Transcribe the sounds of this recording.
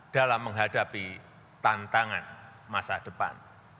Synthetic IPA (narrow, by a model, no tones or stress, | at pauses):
d̥alamːəŋɦadapi | t̪ant̪aŋanmasad̥əpa̰n